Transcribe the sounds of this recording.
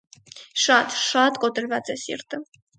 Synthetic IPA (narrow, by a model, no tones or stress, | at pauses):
ʃɑt̪ʃɑt̪kɔt̪əɾvɑt͡sɛsḭɾt̪ʰə